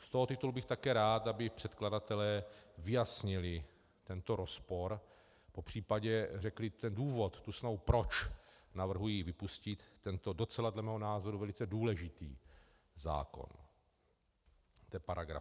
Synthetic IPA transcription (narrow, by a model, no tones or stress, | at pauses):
st̪oɦot̪ɪt̪ulbɪxt̪akɛːɾaːt̪abɪpr̥ɛt̪kladat̪ɛlɛːvɪjasɲɪlɪ | t̪ɛnt̪o̞ɾo̞spoɾ | popr̝̥iːpaɟɛrɛklɪt̪ɛnduːvo̞t̪ːusnaɦupɾo̞t͡ʃnavr̩ɦujiːvɪpuscɪt̪ːɛnt̪odo̞t͡sɛladlɛmɛːɦonaːzo̞ɾuvɛlɪt͡sɛduːlɛʒɪt̪iː | za̰ːko̰n | t̪ɛːpaɾaɡɾa̰